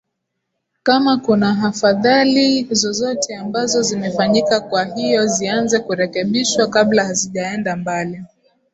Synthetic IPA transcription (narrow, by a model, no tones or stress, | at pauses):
kamakunaɦafaðalizɔzɔtʰɛambazɔzimɛfaɲikakwaɦijɔzianzɛkuɾɛkɛɓiʃwakaɓlahaziʄaɛndambali